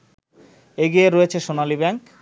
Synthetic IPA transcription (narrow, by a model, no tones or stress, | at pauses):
eɡieɾoet͡ɕʰeʃonalibɛŋk